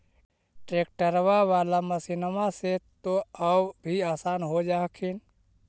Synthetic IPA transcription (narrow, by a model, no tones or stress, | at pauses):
ʈɾeːk̚ʈəɾʋaʋaːlaməsɪnəmãset̪oəbbʱiaːsaːnɦod͡ʒaːkʰɪn